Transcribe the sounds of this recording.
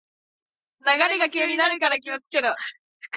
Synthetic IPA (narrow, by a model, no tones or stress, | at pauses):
naɡaɾeɡakʲeːɲʲinaɾɯ̟kaɾakʲimasɨ̥ke̞d̪o̥ | k